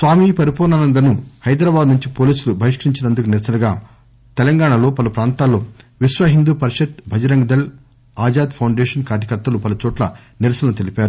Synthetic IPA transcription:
sʋaːmipɐɾipɔːnaːnɐnd̪ɐnuhɐjd̪ɾɐbaːd̪nuɲt͡ʃipoːliːsulubʱɐʋiʂkɐɾiɲt͡ʃinɐnd̪ukuniɾɐsɐnɐɡaː | t̪ɛlɐŋɡaːɳɐlo̞ːpɐlupɾaːnt̪aːlːoːʋiʃʋɐɦind̪uːpɐɾiʂɐt̪̚bʱɐd͡ʒɐɾɐŋɡɐd̪ɐl | aːd͡ʒaːd̪pʰɐwɳɖeːʂɐnkaːɾjɐkɐɾt̪ːɐlupɐlɐt͡ʃɔːʈlɐ̰ | niɾɐsɐnɐnut̪elipaːɾu

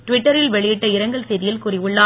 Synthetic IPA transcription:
ʈʊʋɪʈːɐɾɪlʋɛɭɪjɪʈːɐɪɾɐŋɡɐɭsɛjðɪjɪlkʊːrɪʋɯɭːaː

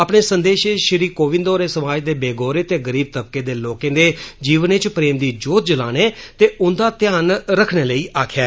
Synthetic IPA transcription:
əpɳeːsənd̪eːʃeʃɪɾiːkoːʋɪ̃nd̪ɔːɾeːsəmaːd͡ʒd̪eːbeːɡoːɾeːt̪eːɡəɾiːb̚t̪əb̚keːd̪eːloːkẽːd̪eːd͡ʒiːʋənet͡ʃpɾeːmd̪iːd͡ʒoːt̪̚d͡ʒəla̰ːneːt̪eːʊnd̪aːt̪ɪjaːnɾəkʰneːləiːʔaːkʰɛː

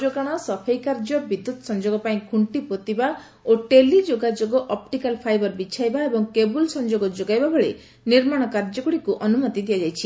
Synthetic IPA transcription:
d͡ʒoɡaɽ̃ɔsɔpʰejkaɾd͡ʒɔbid̪ːut̪ɔsɔnd͡ʒoɡɔpaĩkʰuɳʈipot̪iba | oʈelid͡ʒoɡad͡ʒoɡɔʔɔp̚ʈikalpʰajbɔɾbit͡ʃʰajbaebɔŋkebulsɔnd͡ʒoɡɔd͡ʒoɡajbabɔɭḛ | niɾmaɽ̃ɔkaɾd͡ʒɔkɔɽikuʔɔnumɔt̪id̪ʱijad͡ʒajt͡ʃʰi

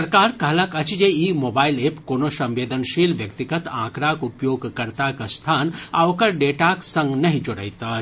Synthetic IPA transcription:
ɐɾkaːɾkɐɦlɐkɐt͡ʃd͡ʒeːiːmoːbaːɪleːpkoːnosɐ̃mʋeːd̪ənʃiːlʋjɐkt̪ɪɡət̪ã̰ːkɾaːkʊpjoːɡkɐɾt̪akast̪ʰaːnaːʋkəɾɖeːʈaksɐ̃ŋɡnɐɦĩd͡ʒʊɽə̰it̪aː

